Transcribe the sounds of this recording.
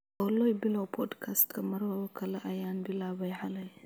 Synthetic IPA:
ɐlojbilawpʰod̪kʰast̪kʰɐmɐɾbaβɐkʰɐlɐʔajanbilaβɐjħalɐj

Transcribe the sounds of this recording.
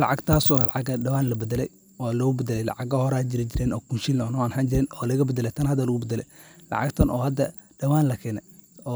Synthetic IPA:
lɑʕɑɡt̪ʰaːsɔːlɑʕɑɡɐɖɐwaːnlɐbɐd̪ɛlɛj | ʔɔːlɔbɐd̪ɐlɛjlɑ̰ʕɑɡɐhɔɾɛːd͡ʒɪɾɪd͡ʒɪɾɛːnɔːkʰunʃilɔnwaːnhɐnd͡ʒɪɾɛnɔːlɐɣɐbɐd̪ɐlɛjt̪ʰɐnhɐd̪ɐlɐɣʊbɐd̪ɐlɛ̰jlɑ̰ʕɑ̰ɡt̪ʰɐnʔɔːhɐd̪ɐ | ɖɐwaːnlɐkʰɛːnɛ | ɔː

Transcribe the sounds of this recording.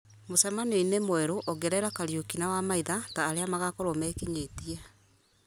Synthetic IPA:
mosɛmanwinemwɛɾoʔɔɡɛɾɛɾakaɾjokinawamaiðataːɾeamaɣakɔɾomɛːkiɲetiɛ

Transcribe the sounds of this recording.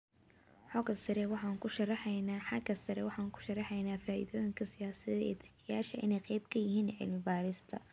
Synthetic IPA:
ħɔɡɐsɐɾɛwɑħɑːŋkʰʊʃɐrɑħɛjnaːħɑɡɐsɐɾɛwɑħɑːŋkʰʊ̥ʃɐrːɑħɛjnaːfaːʔɪ̰ðɔːjɪŋkʰɐsɪjaːsɐðɐɛ̰ːt̪ʰɐ̥kʰɪjaːʃɐʔɪ̰nɛjqɛjb̚kʰɐjɪɦiːnʕɪ̰lmɪbaːɾɪst̪ʰɐ̰

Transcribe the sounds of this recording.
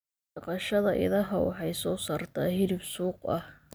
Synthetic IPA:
ɐqɑʃɐðɐʔɪ̰ðɐɦɐwɑ̰ħɑjsɔːsaːrt̪ʰaːhɪɾɪbsuːqɐh

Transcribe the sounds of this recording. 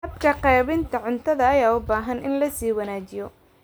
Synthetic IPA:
hɐbkʰɐqɛːβɪnt̪ʰɐʕʊnt̪ʰɐðɐːjaːʊbaːɦɐnʔɪnlɐsiːwɐnaːt͡ʃɪjɔ

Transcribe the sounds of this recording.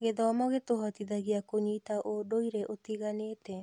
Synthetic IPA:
ɡedaamaɡet̪oɦat̪id̪aɡiakoɲit̪aʔodojɾeʔot̪iɡanet̪e

